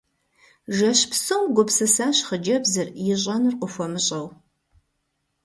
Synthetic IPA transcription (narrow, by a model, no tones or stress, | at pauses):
ʒɐɕpsɨwɡʷʊpsɨsaːɕχəd͡ʒɐbzɨrjɪɕ̬ʼɐnɨrqʷʊfʷɔmɨɕʼɐw